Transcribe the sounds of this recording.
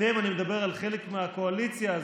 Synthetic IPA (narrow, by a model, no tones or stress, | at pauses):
eimanimed̪abe̞ʁalχele̞kmeako̞alit͡sjaːz